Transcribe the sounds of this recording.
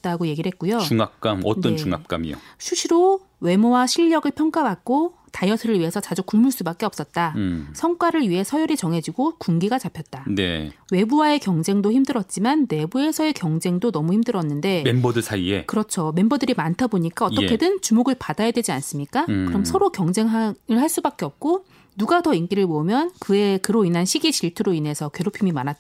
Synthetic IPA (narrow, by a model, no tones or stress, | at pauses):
t̚t͈aɡoje̞ɡiɾɭɦet̚k͈ujouŋap̚k͈amʌt͈ʌnt͡ɕuŋa̰p̚k͈a̰mḭo̰sʰuɕʰiɾo | we̞mowaɕʰiʎːʌɡɯɭpʰjʌŋk͈abak̚k͈o | tajʌsʰɯɾɯɭɥiɦe̞sʰʌt͡ɕad͡ʑukuɭmuɭs͈ubak͈e̞ʌps͈ʌt̚t͈asʰʌŋk͈waɾɯɭɥiɦe̞sʰʌjʌɾit͡ɕʌŋɦe̞d͡ʑiɡokuŋɡiɡat͡ɕapʰjʌt̚t͈anḛwe̞buwae̞kjʌŋd͡ʑe̞ŋdoçimdɯɾʌt̚t͡ɕ͈imanːe̞bue̞sʰʌe̞kjʌŋd͡ʑe̞ŋdonʌmuçimdɯɾʌnːɯnde̞membʌdɯsʰaḭḛkɯɾʌt͡ɕʰome̞mbʌdɯɾimantʰaboɲik͈aʌtt͈ʌkʰedɯnt͡ɕumoɡɯɭpadajadwe̞d͡ʑians͈ɯmɲik͈akkɯɾʌmsʰʌɾokjʌŋd͡ʑe̞ŋɦaɯɭhaɭs͈ubak͈̚e̞ʌp̚k͈o | nuɡatʌink͈iɾɯɭmomjʌnkɯekɯɾoinanɕʰiɡiɕiɭtʰɯɾoinesʰʌkwe̞ɾopʰimimanat͈̚